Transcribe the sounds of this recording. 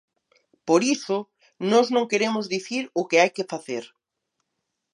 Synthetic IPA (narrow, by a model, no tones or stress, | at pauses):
poɾisʊ | nɔznõŋkeɾemʊzðiθiɾʊkɪajkɪfaθeɾ